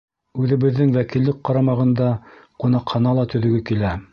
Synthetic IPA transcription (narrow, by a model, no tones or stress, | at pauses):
ʉðɘ̆βɘ̆ðːɘŋwækilːɘk̚qːɑɾɑmɑʁɤ̆nd̪ɑqunɑqhɑnɑlˠɑt̪ɵ̆ðɵ̆ɡɘkilæ